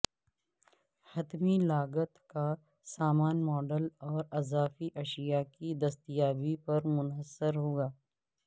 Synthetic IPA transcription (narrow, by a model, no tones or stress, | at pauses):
hɐt̪milaːɡət̪ka | saːmaːnmɔːɖəlɔːɾɐzaːfiʔɐʃijakid̪ɐst̪ijaːbipɐɾmʊnəsːəɾɦoːɡaː